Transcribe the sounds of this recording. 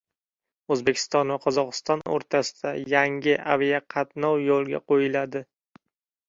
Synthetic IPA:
ɵzbe̞kʲʰɪ̥st̪ɒnvaqʰɒzɒqɨ̥st̪ɒno̰ɾt̪ʰasɪ̥d̪̥ajaŋɡʲɪʔavijaqʰɑt̪nɒwjolˠɡʲa̰qʰojɪlad̪ɪ

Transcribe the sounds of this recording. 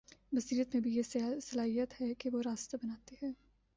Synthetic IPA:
ʋɐsiːɾət̪mẽbʱijesɐlaːɦijət̪hɛkeʋoɾaːst̪abɐnaːt̪eɦɛ̃ː

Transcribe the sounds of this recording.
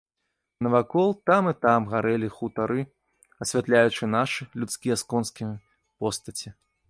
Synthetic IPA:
nɐvakɔlˠt̪amɨt̪amɣaɾɛlʲixut̪aɾɨ | ɐsʲvʲat̪lʲajut͡ʂɨnaʂɨlʲut̪skʲijɐskɔnskʲi | pɔst̪ɐt͡sʲi

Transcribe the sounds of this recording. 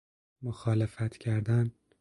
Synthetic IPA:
moxɒːlefæt̪ʰcʰæɾd̪æn

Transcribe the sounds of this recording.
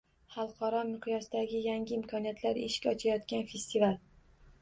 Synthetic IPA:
χɑlˠqʰɒɾɒmɪqʰjɒsd̪aɡʲɪjaŋʲɪɪmkʰɒnijat̪ʰlaɾḛʃkʲɒt͡ʃʰajɒt̪kʲanfe̞st̪ʰival

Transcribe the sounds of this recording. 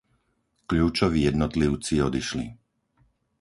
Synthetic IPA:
kʎuːt͡ʃɔʋiːjɛd̪nɔt̪liʊt͡siɔd̪iʃli

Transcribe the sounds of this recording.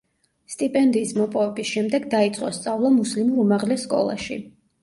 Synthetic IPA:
st̪ʼipʼɛnd̪iːsmɔpʼɔvɛbisʃɛmd̪ɛɡd̪ait̪sʼqʼɔst̪sʼavlˠamuslimuɾumaʁlɛsːkʼɔ̰lˠa̰ʃḭ

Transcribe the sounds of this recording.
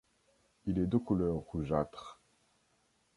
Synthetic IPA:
ilɛd̪økulœʁːuʒat̪χ

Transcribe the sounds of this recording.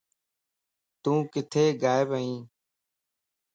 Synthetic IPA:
t̪ũːkɪt̪ʰeːɡaːɪbəĩː

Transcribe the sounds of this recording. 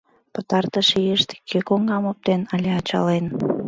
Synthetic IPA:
pət̪ɑrt̪əʃejeʃt̪e̥kʰøkoŋɡɑmop̚t̪enɑlʲeɑt͡ɕɑ̰len

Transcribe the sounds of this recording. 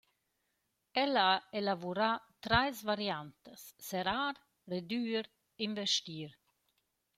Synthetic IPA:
ɛlaaelavuɾat̪ɾajsvaɾjant̪əsːɛɾaːɾ | red̪yːɾ | invɛʃt̪iːɾ

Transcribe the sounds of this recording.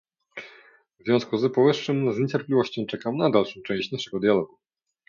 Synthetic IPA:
vzvʲjɔ̃w̃skuzpɔvɘʂʂɘmzɲet͡ɕɛɾplʲivɔɕt͡ɕɔ̃w̃t͡ʂɛkamnad̪alʂɔ̃t͡ʂɛ̃ɕt͡ɕnaʂɛɡɔd̪jalɔɡu

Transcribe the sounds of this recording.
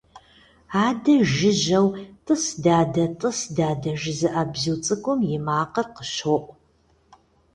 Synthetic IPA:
aːdɐʒɪʒɐwtʼɨsdaːdɐtʼɨsdaːdɐʒɪzɨʔabziwt͡sʼɨkʷʼʊmjɪmaːqɐrqə̥ʃoʔʷʼ

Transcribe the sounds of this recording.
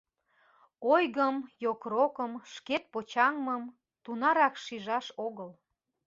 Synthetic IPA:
ojɣəmjokrokəmʃket̪̚pot͡ɕɑŋməm | t̪unɑɾɑkʃiʒɑʃoɣəl

